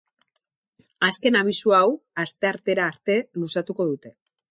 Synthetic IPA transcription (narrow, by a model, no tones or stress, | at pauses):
aske̞naβ̞isuawast̪e̞aɾt̪e̞ɾaːɾt̪e̞lusat̪uko̞ð̞ut̪e̞